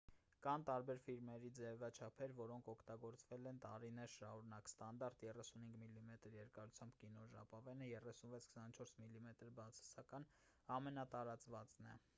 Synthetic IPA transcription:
kɑnt̪ɑɾbɛɾfiɾmɛɾid͡zɛvɑt͡ʃʰɑpʰɛɾvɔɾɔŋkʰɔkʰt̪ɑɡɔɾt͡svɛlɛnt̪ɑɾinɛɾʃɑhɾunɑkst̪ɑn̪d̪ɑɾt̪jɛrɛsunhiŋɡmilːimɛt̪əɾjɛɾkɑɾut͡sʰjɑmbkinɔʒɑ̰pɑvɛnəjɛrɛsunvɛt͡sʰkʰə̥sɑnt͡ʃʰɔɾsmilːimɛt̪əɾbɑt͡sʰɑ̥sɑkɑn | ɑmɛnɑt̪ɑɾɑt͡svɑt͡snɛ̰

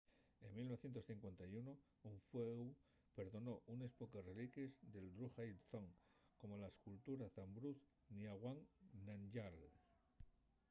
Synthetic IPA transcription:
e̞ŋmilnoθje̞nt̪osθiŋkwe̞nt̪ajuno | uɱfweu | pe̞ɾðo̞no̞ʔunespokarelikezd̪e̞ld̪ɾuxajlθoŋ | ko̞mo̞laeskult̪uɾaθambɾuθ | niaɣwaŋnand͡ʒal

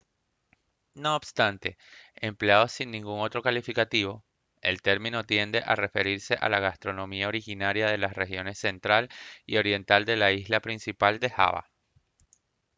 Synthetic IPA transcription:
no̞ːbst̪ant̪e̞empleaðo̞sinːĩŋɡuŋo̞t̪ɾo̞kalifikat̪iβo̞ | e̞̰lt̪e̞ɾmĩno̞t̪je̞nd̪e̞ʔare̞fe̞ɾiɾse̞ʔa̰laɣast̪ɾo̞nõ̞miao̞ɾixinaɾjaðe̞lasre̞xjo̞ne̞sːe̞nt̪ɾalio̞ɾje̞nt̪ald̪e̞laizlapɾinsipald̪e̞xa̰βa̰

